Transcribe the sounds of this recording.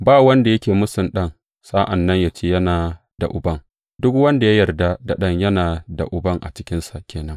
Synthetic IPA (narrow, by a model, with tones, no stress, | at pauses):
baː˦˨wɐ˦nda˨jɐ˦kʲeː˨mʊ˦sɪ˨nɗɐ˦ŋ | saː˦ʔɐ˨nːɐ˦ɲjaː˨t͡ʃeː˦˨jɐ˦naː˨ | da̰˨ʔʊ˨bɐ˦ŋ | dʊ˦k̚wɐ˦nda˨ja˦jɐ˨rda˦da˨ɗɐ˦ŋjɐ˦naː˨da̰˨ʔʊ˨bɐ˦ŋʔa̰˨t͡ʃɪ̥˦kʲɪ˦nsa˨kʲeː˨nɐ˦ŋ